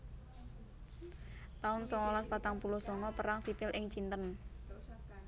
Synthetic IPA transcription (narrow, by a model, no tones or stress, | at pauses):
t̪aʊnsɔŋɔlaspat̪aŋpulʊhsɔŋɔpəɾaŋsipɪlʔɪŋt͡ʃint̪ən